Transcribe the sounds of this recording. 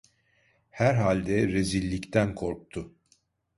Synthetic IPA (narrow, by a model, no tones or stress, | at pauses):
hæɾɦalʲd̪ɛɾezilʲːict̪ʰænkʰo̞ɾk̚t̪ʰʊ